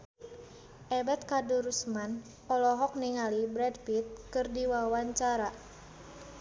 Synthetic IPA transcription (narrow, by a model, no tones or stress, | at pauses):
ʔɛbɛt̪̚kaduɾusman | ʔɔlɔɦɔk̚niŋalibɾɛdfit̪̚kɨrdiwawaɲt͡ʃaɾa